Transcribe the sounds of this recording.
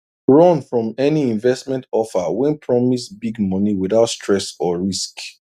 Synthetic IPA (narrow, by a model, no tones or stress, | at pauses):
ɹɔ̃nfɹɔ̃mɛniĩnvɛsmɛ̃ntɔfawɛ̃npʰɹɔmisbiɡmɔniwiðaʊtstʰɹɛsɔɹisk